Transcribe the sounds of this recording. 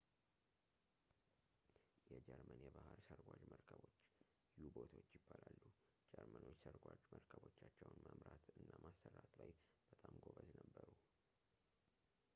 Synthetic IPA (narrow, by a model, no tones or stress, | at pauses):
jɛd͡ʒɛɾmənjɛbahɨɾsəɾɡʷad͡ʒməɾkʰəβo̞t͡ʃː | jɪjubot̪ʰaoot͡ʃːjɪbːalalːu | d͡ʒɛɾməno̞t͡ʃːsəɾɡʷad͡ʒməɾkʰəbo̞t͡ʃːat͡ʃːɛwnməmɾat̪ɨnːamasːərːat̪lajb̥ət̪ʼamɡoβəznəbːəɾu